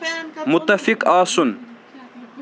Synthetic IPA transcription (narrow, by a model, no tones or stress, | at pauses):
mʊt̪ːɐfikaːsun